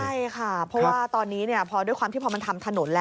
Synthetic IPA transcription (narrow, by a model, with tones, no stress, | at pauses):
a˥˩jkʰa˥˩pʰɔ˦˥waaː˥˩t̪ɔː˧nːiː˦˥ni˥˩ɐpʰɔː˧du˥˩jkwaː˧mt̪iː˥˩pʰɔ˧ma˧nt̪ʰa˧mt̪ʰa˧no˩˦nlɛː˦